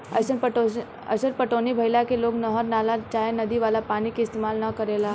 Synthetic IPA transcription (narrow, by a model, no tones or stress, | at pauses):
ə̰səpəʈo | ə̰səɾpəʈonibʱəɪlakeloːknəɦəɾnalat͡ʃaenəd̪iʋalapanikeɪst̪emalnəkəɾela